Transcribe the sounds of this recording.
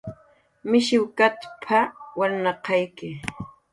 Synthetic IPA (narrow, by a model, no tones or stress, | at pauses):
mɪʃɪwkat̪pʰawaɾnɑqɑjkɪ